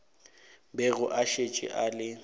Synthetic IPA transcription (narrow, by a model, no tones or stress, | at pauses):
bɛɣʊʔaʃet͡ʃʼɪ̰ʔalɪ